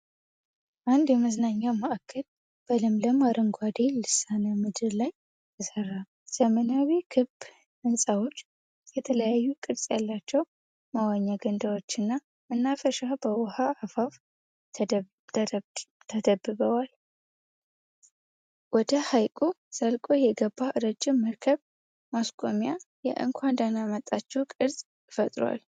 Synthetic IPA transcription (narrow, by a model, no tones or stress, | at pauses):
ʔand̪jɛməznaɲːawmaʔakʰːəl | b̥əlɨmləmaɾəŋɡʷad̪elɨsanəmɨd̪ɨɾlaj | t̪ʰəsərːa | z̥əmənawikʰɨb | ɨnsʼawo̞t͡ʃː | jɛt̪ʰələjajːukʼɨd̪sʼjalːat͡ʃːɛw | mawaɲːaɡənd̪awot͡ʃːɨnːa | mɨnːafəʃabəwɔhaʕafafʰ | t̪ʰəd̪əbːɨβəwal | wɔd̪əhajkʼosəlkʼo̞jɛɡəbːaʔɨɾəd͡ʒːɪmːəɾkʰəβ | maskʼomjajɛ̰ʔɨ̰ŋkʷʰand̪anamət̪ʼːat͡ʃːɛwkʼɨɾsʼ | fət̪ʼɾwa̰l